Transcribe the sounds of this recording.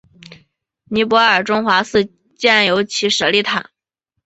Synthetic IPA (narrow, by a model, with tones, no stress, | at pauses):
ni˧˥pwɔ˧˥ə˞˨˩ʈ͡ʂʊ˥ŋxwa˧˥sɹ̩˥˧ | t͡ɕjɛ˥˩njo˧˥ʊt͡ɕʰi˧˥ʂə˧˥li˥˩t̪ʰa˨˩˦